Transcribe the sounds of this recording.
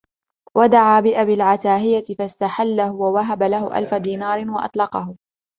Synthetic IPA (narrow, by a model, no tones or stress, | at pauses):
wad̪aʕaːbɪʔabilʕat̪aːɦɪjat̪ɪfast̪aħalːahʊwawaɦabalahʊʔa̰lfad̪iːnaːɾɪwɑʔɑ̰t̪ˤlɑqɑɦʊ